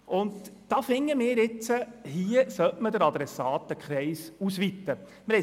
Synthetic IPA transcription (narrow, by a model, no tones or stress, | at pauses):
ʔʊndd̥ɑːfɪŋːəmɪːɾɪt͡səhiəsœtmədəɾɑd̪ɾɛsɑːt̚əkχɾɛɪsusʋit̪ːə | məɾɛ